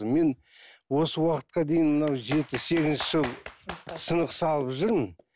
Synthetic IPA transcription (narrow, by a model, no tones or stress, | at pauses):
me̞n | wo̞səwɑqət̪̚qɑd̪e̞jɪnmənɑwʒe̞t̪ɪse̞ɡʲɪzʃɪʒəlˠsənəqsɑlˠəpʒʏɾmən